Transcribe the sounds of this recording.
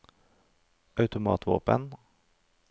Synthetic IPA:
ʔœʉt̪ʊmɑ̰ːt̪vo̰ːpə̰n

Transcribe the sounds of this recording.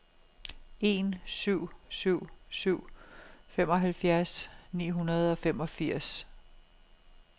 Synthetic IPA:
e̝nsyʊ̰syʊ̰syʊ̰femɒ̽ɦælfjæɐsnḭːɦunɐð̞̩ˠɒ̽femɒ̽fiɐ̰s

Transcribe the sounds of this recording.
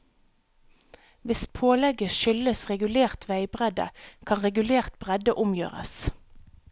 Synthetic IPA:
ʋɪspʰoːlɛɡəʃʏləsʁɛɡʉleːʁt̪ʰʋæɪbʁɛd̪ə̰kʰɑnʁɛɡʉleːʁt̪̚b̥ʁɛd̪əʔʊmjø̰ːʁə̰s

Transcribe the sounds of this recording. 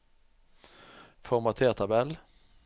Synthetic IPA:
fɔɾmat̪ʰeːt̪ʰabɛl

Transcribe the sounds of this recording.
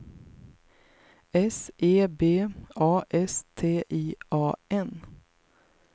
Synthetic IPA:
ɛsʔeːbeːɑːʔɛst̪ʰeːʔiːʔɑːɛn

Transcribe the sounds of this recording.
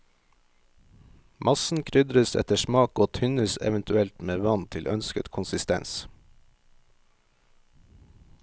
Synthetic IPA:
mʔɑsn̩kʰɾʏd̪ɾəsɛ̰t̪əʃmɑːkoːt̪ʰʏnəsɛ̰ʋənt̪ʉɛlt̪meːʋɑnt̪ʰɪlʔœnskət̪kʰʊnsɪst̪ɛ̰ns

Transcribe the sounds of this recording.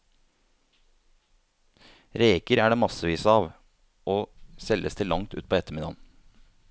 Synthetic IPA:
ɾeːkəɾæːɖeːmɑsəʋiːsəɑːʋ | ʔoːsɛləst̪ʰɪlɑŋt̪ʉ̰ːt̪pʰoːɛt̪əmɪd̪ɑ̰ːn

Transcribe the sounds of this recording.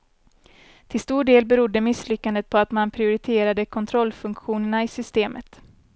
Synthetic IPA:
t̪ʰɪlst̪uːɖeːlbɛɾʊd̪ːəmɪslʏkːand̪ət̪̚pʰɔat̪manpʰɾɪʊɾɪt̪ʰeːɾad̪əkʰɔnt̪ʰɾɔlːfɵŋkɧuːnəɳaɪsʏst̪eːmʔət̪

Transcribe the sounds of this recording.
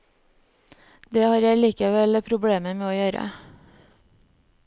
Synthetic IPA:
d̪eːhɑːɾjæɪliːkəʋɛlpʰɾʊbɽeːməmeːoːjøːɾə̰

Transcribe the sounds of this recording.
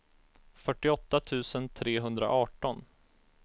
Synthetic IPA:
fœʈːɪɔt̪ːat̪ʰʉ̟ːsənt̪ʰɾeːɦɵnd̪ɾa̰ʔɑːʈɔn

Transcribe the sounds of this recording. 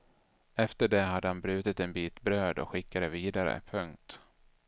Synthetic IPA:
ɛft̪əɖɛɦad̪ːəhanbɾʉ̟ːt̪ɪt̪ɛnbiːt̪bɾøːd̪ɔ̰kɧɪkːad̪ɛviːd̪aɾə̰pʰɵŋk̚t̪

